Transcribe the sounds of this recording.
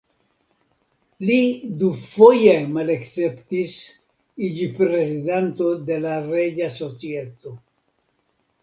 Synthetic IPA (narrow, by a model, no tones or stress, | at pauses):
lid̪ufo̞jemalekt͡se̞ptis | id͡ʒipɾe̞zidanto̞d̪e̞laɾe̞d͡ʒaso̞t͡sie̞t̪o̞